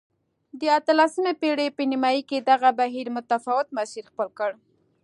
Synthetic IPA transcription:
d̪əat̪əlasəmepeɽepənimɑjiked̪aɣabaɦiɾmʊt̪afawɪt̪maʃiɾxpəlkəɽ

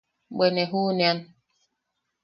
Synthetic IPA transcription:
ɓɛnɛɦunian

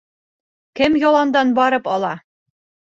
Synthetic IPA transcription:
kɘmjɒlˠɑnd̪ɑnbɒɾɤpɒlˠɑ

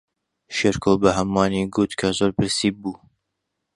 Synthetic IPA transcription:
ʃeɾkʰobɐɦɐmwɑːniɡut̪kʰɐzoːɾpɨɾsiːbuː

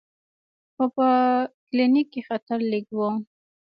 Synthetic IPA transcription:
xopəklinikːexat̪aɾliɡwom

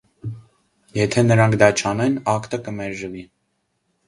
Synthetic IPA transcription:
jɛt̪ʰɛnəɾɑŋkʰd̪ɑt͡ʃʰɑnɛnɑkt̪əkəmɛɾʒəvi

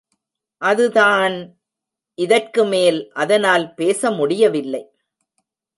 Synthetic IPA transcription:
ʔɐðɯðaːn | ʔɪðɐrkɯmeːlʔɐðɐnaːlpeːsɐmʊɽɪjɐʋɪlːɐɪ

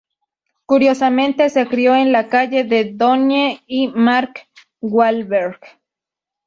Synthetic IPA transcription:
kuɾjosamẽnt̪esekɾioenlakaʝeðed̪onjeimaɾk | wwalbeɾɡ

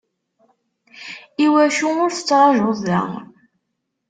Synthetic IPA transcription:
iwæçuʊɾθə̥t͡sːʁˤɑʒʊðːæ̰

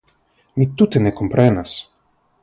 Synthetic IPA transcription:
mit̪ːut̪ɛnɛkompɾɛnas

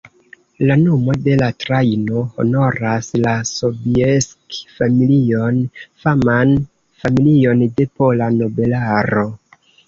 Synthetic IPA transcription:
lanomo̞de̞latɾajno̞ho̰no̞ɾaslaso̞bieskfamilio̞nfaman | familio̞nde̞polano̞be̞laɾo̞

